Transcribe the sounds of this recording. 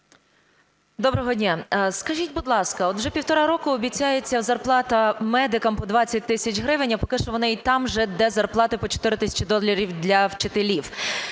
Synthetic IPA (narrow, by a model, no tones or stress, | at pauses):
d̪ɔbɾɔɦɔdʲnʲaskɐʒʲitʲbʊd̪lˠɑskɐɔt̪wʒɛpʲiwt̪ɔɾɑɾɔkʊɔbʲit͡sʲːajet͡sʲːɐwzɐrplˠɑt̪ɐmɛd̪ɪkɐmpɔd̪ʋɑt͡sʲːɐt̚ʲt̪ɪsʲɐt͡ʃɦɾɪʋɪnʲɐpɔkɪʃt͡ʃɔʋɔnɪit̪ɑmʒɛd̪ɛzɐrplˠɑt̪ɪpɔt͡ʃɔ̥t̪ɪɾɪt̪ɪsʲɐ̥t͡ʃɪd̪ɔlʲɐɾʲiwd̪ʲlʲɐwt͡ʃɪt̪elʲiw